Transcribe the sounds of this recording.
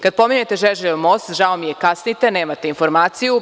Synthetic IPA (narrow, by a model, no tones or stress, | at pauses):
kad̪̚po̞miɲet̪eʒeʒeʎomost̪ʒaomijekasnit̪e̞neːmat̪einfo̞ɾmaːt̪siju